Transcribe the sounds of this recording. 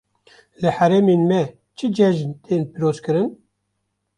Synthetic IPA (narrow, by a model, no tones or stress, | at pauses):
lɨħæɾɛmeːnmɛ | t͡ʃʰɨd͡ʒɛʒnt̪ʰeːnpiɾoːzkɨɾɨn